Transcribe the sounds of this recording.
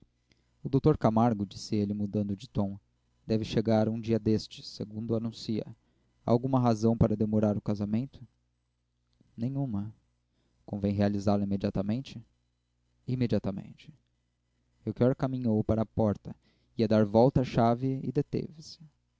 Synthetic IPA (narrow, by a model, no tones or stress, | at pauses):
ʊd̪owt̪oɾkamaɾɡʊd͡ʒisɪelɪmud̪ɐ̃nd̪ʊd͡ʒɪt̪õw̃ | d̪ɛvɪʃeɡaɾũd͡ʒiɐd̪est͡ʃɪ̥sḛɡũnd̪ʊanũsiɐ̰ | awɡũmɐɦazɐ̃w̃paɾɐd̪emoɾaɾʊkazamẽnt̪ʊ̥ | nẽj̃ũmɐ | kõvẽj̃ɦealizaɾlɐimed͡ʒiat̪ɐmẽnt͡ʃɪ | imed͡ʒiat̪ɐmḛ̃nt͡ʃɪ̥ | ewkɔɾkamĩɲowpaɾɐːpɔɾt̪ɐ | iɐd̪aɾvɔwt̪ɐaʃavɪɪ̰d̪et̪ḛvɪsɪ̥